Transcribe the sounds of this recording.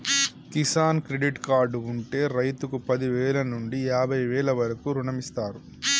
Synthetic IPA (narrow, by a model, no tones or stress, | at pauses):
kisaːnkɾeɖiʈkaːɾɖuɳʈe̞ːɾɐjt̪ukupɐd̪iʋɛːlɐnuɳɖijaːbʱɐjʋɛːɭɐʋɐɾɐkuːɾuɳɐmist̪aːɾu